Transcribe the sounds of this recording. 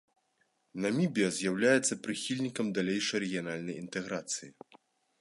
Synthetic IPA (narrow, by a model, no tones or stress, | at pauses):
nɐmʲibʲijɐzʲjawlʲajɛt̪sːɐpɾɨxʲilʲnʲikɐmd̪alʲejʂɐjɾɛɣʲijanalʲnɐjint̪ɛɣɾat̪sɨji